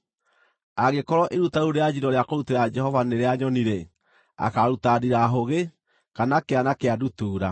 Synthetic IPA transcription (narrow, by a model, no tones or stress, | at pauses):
aɣekɔɾɔʔeɾutaoɾead͡ʒiɾdɔɾeakoɾuteɾad͡ʒɛɦɔvaneɾeaɲɔniɾɛ | a̰kaɾutadiɾaɦoɣe | kanakeanakeadutuːɾa